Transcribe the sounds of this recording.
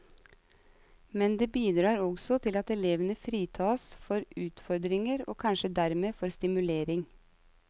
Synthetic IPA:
mɛnd̪eːbiːd̪ɾɑːɾɔɡsɔt̪ʰɪlɑt̪ɛleːʋənəfɾiːt̪ʰɑːsfɔɾʉːt̪fɔɾd̪ɾɪŋəɾo̰ːkʰɑnʃəd̪æɾmeːfɔɾst̪ɪmʉleːɾɪŋ

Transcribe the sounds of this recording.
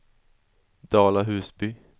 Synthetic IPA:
d̪̥ɑːlaɦʉ̟ːsbyː

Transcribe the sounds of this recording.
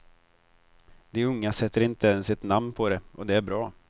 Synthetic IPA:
d̪ɛɵŋːasɛt̪ːəɾɪnt̪əɛnsɛt̪namnpʰɔd̪ɛʔɔd̪ɛæɾbɾɑː

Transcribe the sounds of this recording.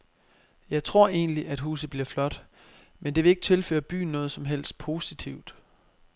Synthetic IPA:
jɑ̈ɪt͡sʰʁo̝ɐ̰e̝ːnliʔæd̥ɦṵːsð̩ˠb̥liɐflɒ̽d̥ | mend̥e̝ʋe̝le̝ɡ̥ə̥t͡sʰe̝lfø̰ːɐb̥y̰ːn̩ːɔ̽ːð̞̩ˠsɒ̽mɦel̰sd̥̚pʰo̝ːsit͡sʰiʊ̰d̥

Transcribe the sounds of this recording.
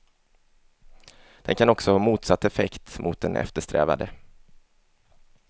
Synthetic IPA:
d̪̥ɛ̰nkʰanɔksɔhɑːmuːt̪sat̪ːɛfɛkt̪mʊt̪̚d̪ɛnɛ̰ft̪əʂt̪ɾɛ̰ːva̰d̪ə

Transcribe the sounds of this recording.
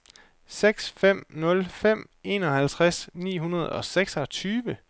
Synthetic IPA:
seɡ̥sfem̰nɔ̽lfem̰ | e̝̰ːnɒ̽hælt͡sʰʁasnḭːɦunɐð̞̩ˠɒ̽seɡ̥sɒt͡sʰyːʋə

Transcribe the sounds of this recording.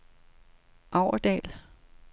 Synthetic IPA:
ʔɑʊɐd̥ɛ̰ːl

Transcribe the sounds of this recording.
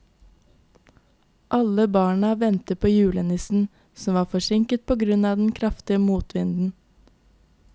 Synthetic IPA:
ʔɑləbɑːɳɑʋɛnt̪əpʰoːjʉːlənɪsn̩ | sɔm̩ʋɑːfɔʃɪŋkət̪̚pʰoːɡɾʉnɑːd̪ɛn̩kʰɾɑft̪ɪəmuːt̪ʋɪnd̪n̩

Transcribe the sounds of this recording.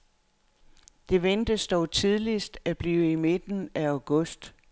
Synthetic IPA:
d̥e̝ʋend̥əsd̥ɒʊt͡sʰið̞ˠlisd̥æb̥liːime̝d̥n̩ææʊɡ̥ɔ̽sd̥

